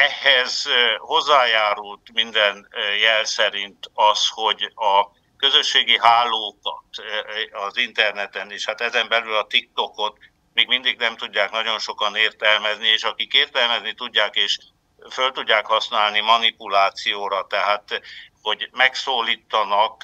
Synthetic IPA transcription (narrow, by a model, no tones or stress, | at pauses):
ɛhɛzho̞zːaːjaːɾult̪mind̪ɛnjɛlsɛɾint̪ɒsho̞ɟɒ | kø̞zø̞ʃːeːɡiɦaːlːoːkɒ̰t̪ɒzint̪ɛrnɛt̪ɛneːʃhat̪ɛzɛmbɛlylɒt̪ik̚t̪o̞ko̞t̪ | meːɡmind̪iɡnɛmt̪uɟːaːknɒɟo̞nʃo̞kɒneːrt̪ɛlmɛznieːʃɒkikeːrt̪ɛlmɛznit̪uɟːaːkeːʃ | følt̪uɟːaːkhɒsnaːlnimɒnipulaːt̪sijoːɾɒt̪ɛɦaːt̪ho̞ɟmɛksoːliːt̪ːɒnɒk